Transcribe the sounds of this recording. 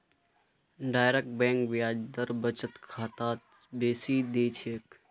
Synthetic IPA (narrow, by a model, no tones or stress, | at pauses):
ɖaːjɾek̚ʈ̚bɛ̃ːŋkʋaːd͡ʒd̪əɾbət͡ʃət̪kʰaːt̪aː | beːsiːd̪eːt͡ʃʰeːk